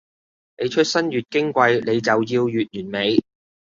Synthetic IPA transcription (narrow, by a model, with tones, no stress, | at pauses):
ne˨˧jt͡ʃʰɵ˥t̚sɐ˥nɥyː˨t̚kɪ˥ŋkʷɐ˧jle˨˧jt͡sɐ˨wjiː˧wjyː˨t̚jyː˨˩nme˨˧j